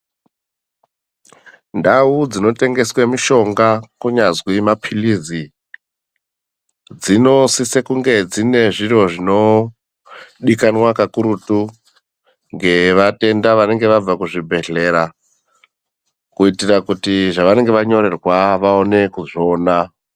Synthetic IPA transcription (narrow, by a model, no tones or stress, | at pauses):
ndaud͡zino̞te̞ŋɡe̞swemiʃo̞ŋɡakuɲazwimapʰilizi | d͡zino̞sisekuŋɡe̞d͡zine̞ʐiro̞ʐino̞ | ɗikanwakakuɾutu | ŋɡe̞ʋate̞ndaʋane̞ŋɡe̞ʋab͡vakuʐibʱe̞ɮe̞ɾa | kuitirakutiʐaʋane̞ŋɡeʋaɲo̞ɾe̞rwaʋaone̞kuʐo̞ːna